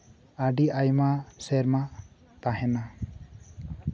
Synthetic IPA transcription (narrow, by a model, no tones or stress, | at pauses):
aɖiʔajmasɛɾma | t̪aɦɛna